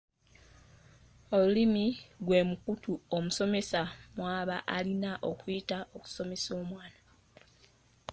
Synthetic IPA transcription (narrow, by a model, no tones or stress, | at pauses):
olulimiɡwe̞ːmukutuomuso̞me̞samwaːβaʔalinaʔo̞kuitao̞ku̥so̞me̞so̞ːmwaːna